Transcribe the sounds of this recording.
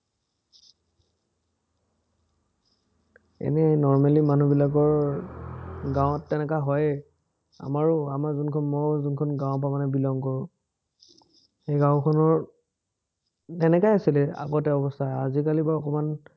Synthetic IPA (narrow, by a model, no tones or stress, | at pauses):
ɛ̰nɛnɔɹmalimanubilakɔɹ | ɡãw̃tːɛnɛkaɦɔj | a̰maɹʊamazunkʰɔnmɔzunkʰɔnɡãʊ̃p̬amanɛbilɔŋkɔɹʊ̃ | xejɡãʊ̃kʰɔnɔɹ | tɛnɛkajasilɛa̰ɡɔtɛɔbɔstʰaazikalibaɔkɔman